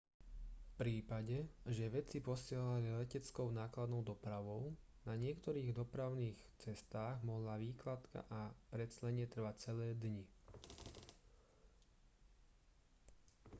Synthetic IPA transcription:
fpɾiːpaɟɛʒɛʋɛt͡sipɔsɪɛɦalilɛcɛt͡skɔʊnaːklad̪nɔʊd̪ɔpɾaʋɔʊ | naɲɪɛkt̪ɔɾiːɣd̪ɔpɾaʊniːxt͡sɛst̪aːɣmɔɦlaʋiːklat̪ka̰ʔapɾɛt̪slɛɲɛt̪r̩ʋac̚t͡sɛlɛːd̪ɲi

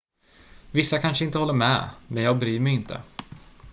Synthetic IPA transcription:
vɪsːakʰanʂəɪnt̪əhɔlːəɾmɛ̰ːmɛnjɑːɡ̚bɾyːɾmɛjɪnt̪ʰə̰

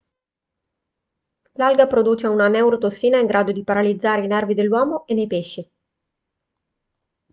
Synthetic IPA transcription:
lalɡapɾod̪uːt͡ʃeunanɛwɾot̪osːiːnaiŋɡɾʔaːd̪od̪ipaɾalid̪zːaːɾeinɛrvid̪elːwɔːmoenːejpeʃːi

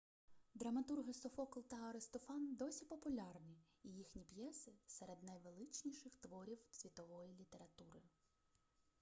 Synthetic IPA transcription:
d̪ɾɐmɐt̪urɦɪsɔfɔklˠt̪ɐɐɾɪst̪ɔfɑnd̪ɔsʲipɔpʊlʲɑrnʲiː | jixnʲipjɛsɪseɾed̪nɐjʋelˠɪt͡ʃnʲiʃɪxt̪ʋɔɾʲiwsʲʋʲit̪ɔʋɔjilʲit̪e̞ɾɐt̪uɾɪ

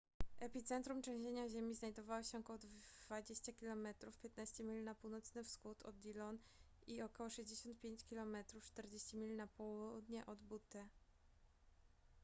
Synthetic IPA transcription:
ʔɛpʲit̪sɛnt̪ɾumt͡ʂɛ̃w̃ʑeɲaʑemʲiznajd̪ɔvaweɕɛɔkɔwɔd̪v̥ad͡ʑeɕt͡ɕakʲilɔmɛt̪ɾufpʲjet̪̚naɕt͡ɕɛmʲilʲinapuwnɔt̪snɘfsxut̪ʰɔ̰d̪ilɔn | iɔkɔwɔʂɛʑd͡ʑeɕɔnt̪̚pʲjeɲt͡ɕkʲilɔmɛt̪ɾuft͡ʂt̪ɛɾd͡ʑeɕt͡ɕimʲilʲnapɔwuud̪ɲɛʔɔd̪but̪ɛ

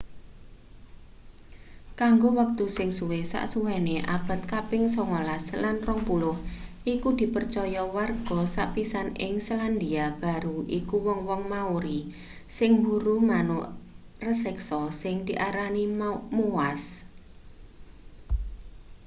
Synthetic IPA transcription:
kaŋɡowək̚t̪usɪŋsuwesa̰ʔsuwɛneʔa̰b̥a̤t̪̚kapɪŋsɔŋolaslanrɔŋpulʊhʔikud̪̥i̤pərt͡ʃɔjɔwarɡ̥ɔ̤saʔpisanɪ̰ŋsaland̪iab̥a̤ɾuʔikuwɔŋwɔŋmauɾi | sɪŋbuɾumanʊʔ | rəsɛksɔsɪŋd̪̥iʔaɾanimowas

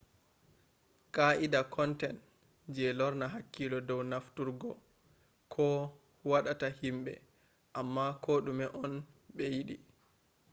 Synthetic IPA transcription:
kaʔidakɔntɛn | d͡ʒɛlɔɾnaɦakːilɔdɔwnaftuɾɡɔ | kʰɔ | waɗatahimɓɛ̰ | ʔamːakʰoɗumɛʔɔnɓɛjiɗḭ

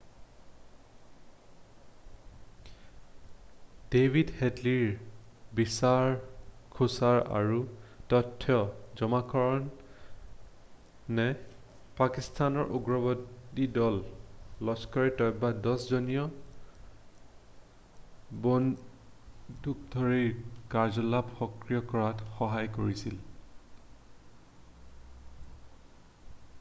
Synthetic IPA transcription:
d̥ebʱidhedliɹbisaɹkʰusaɹa̰ɹutɔtʰːjɔzɔmakʰɔɹɔn | ɛ | pakistʰanɔɹʔuɡɹɔbɔdidɔlːɔskɔɹitɔjbadɔszɔnijɔ | bon | duk̚dʱɔɹiɹkazɔlapxɔkɹijɔkɔɹatxɔɦajkoɹisil

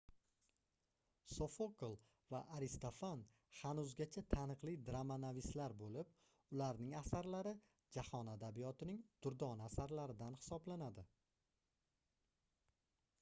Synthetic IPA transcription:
sofoklˠ | vaʔaɾɪst̪ofan | hanʊzɡʲat͡ʃʰat̪ʰanɨqlˠid̪ɾamanavislaɾbolɪp̚ | ʊlaɾnɪŋasaɾlaɾɪ | d͡ʒahɒnad̪abijɒt̪ʰɪnɪŋd̪̥ʊɾd̪ɒnasaɾlaɾɪd̪anhɪ̥sɒblanad̪ɪ

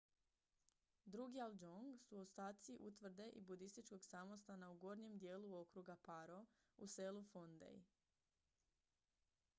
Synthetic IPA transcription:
d̪ɾuɡialˠd͡ʒoŋɡsuawst̪aːt̪siʔut̪ʋr̩d̪e̞ʔibud̪ist̪it͡ʃko̞ɡsamo̞st̪anauɡo̞ɾɲe̞md̪je̞ːluo̞kɾuɡapaɾo̞ | use̞lufond̪ḛj

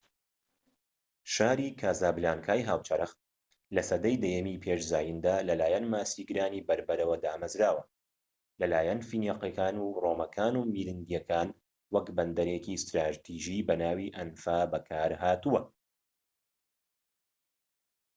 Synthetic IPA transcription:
ʃaːɾiːkʰaːzaːblaːnkʰaːjɦaːwt͡ʃɐɾɨxt̪̚ | lɐsɐd̪ɐjd̪ɛjɛmiːpʰeːʃzaːjind̪aːlɐlaːjɐnmaːsiɡɨɾaːniːbɐɾbɐɾɐwɐd̪aːmɐzɾaːwɐ | lɐlaːjɐnfinjaqekaːnuːroːmɐkʰaːnumiːɾɨnd̪jɛkʰaːn | wɐkbɐnd̪ɐɾeːkiːst̪ɾaːt̪ʰiːʒibɐnaːwiːʔɐnfaːbɐkʰaːɾhaːt̪uwɐ

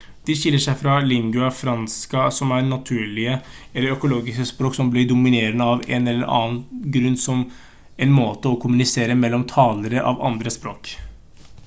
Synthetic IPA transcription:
d̪̥ɪɕɪlːəʂæɪfɾɑlɪŋɡʉɑfɾɑnskɑsɔmæɾnɑt̪ʰʉːɭɪə | ɛlːəɾœkʊloːɡɪskəspɾoːksɔmblɪɖʊmɪneːɾənəɑʋɛ̰nɛlːəɾʔɑ̰ːənɡɾʉnːsɔm | ɛnmoːt̪əɔkʰʊmʉnɪseːɾəmɛlːɔmt̪ʰɑːləɾəʔɑ̰ʋɑ̰nd̪ɾəspɾoːk

